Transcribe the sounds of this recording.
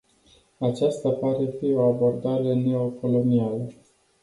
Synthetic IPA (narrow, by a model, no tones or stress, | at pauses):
at͡ʃast̪apaɾe̞fio̞abo̞rd̪aɾe̞ne̞o̞ko̞lo̞nialə